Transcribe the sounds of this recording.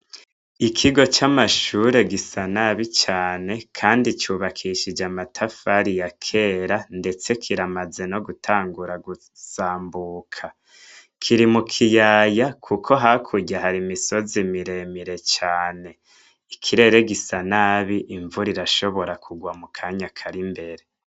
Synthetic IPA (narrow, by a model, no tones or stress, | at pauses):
ikʰiɡo̞t͡ʃamaʃuɾe̞ɡisanaβit͡ʃaːne̞kʰaːndit͡ʃuβakʰiʃid͡ʒamatʰafaɾijakʰe̞ːɾande̞t͡se̞kʰiɾamaze̞no̞ɡutʰaːŋɡuɾaɡu | saːmbuːkʰa | kʰiɾimukʰijaːjakʰukʰo̞ɦakʰuɟahaɾimiso̞zimiɾe̞miɾe̞t͡ʃaːne̞ | ikʰiɾe̞ɾe̞ɡisanaβiʔiɱvuɾiɾaʃo̞βo̞ɾakʰuɡwamukʰaɲakʰaɾimbe̞ɾe